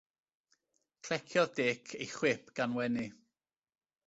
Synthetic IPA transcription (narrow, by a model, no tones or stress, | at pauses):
kʰl̥ɛkʰjɔðdeːkʰejχwɪpʰɡ̥anwɛni